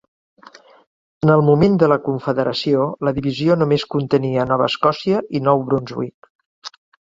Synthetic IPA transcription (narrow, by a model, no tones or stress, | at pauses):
ənəlˠmumend̪ələkuɱfəðəɾəsioləðiβizionumeskunt̪əniənɔβ̞ə̰ːskɔsiəʔinɔwβɾunzwik